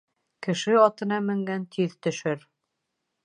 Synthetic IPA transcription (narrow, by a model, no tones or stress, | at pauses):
kɘ̆ʃɘɑt̪ɤ̆nɑmɘ̆ŋɡænt̪ʰiðt̪ɵ̆ʃɘɾ